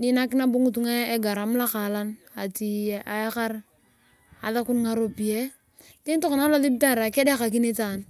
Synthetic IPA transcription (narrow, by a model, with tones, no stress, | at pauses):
ni˦na˦ki˦na˦bo˦ŋu˦˨tu˦ŋa˦e˦ɡa˨ɾa˨m˦la˦ka˨la˦n | a˨ti˨ʔa˨e˦ka˦ɾ | a̰˨ða˦ku˦nŋa˨ɾo˨pi˨e˦ | te˦n˦to˦ko˨na˦la˦li˦b̚ta˦˨ɾa˨kɛ˦de˦ka˨k̬i˦ni˦ta˨n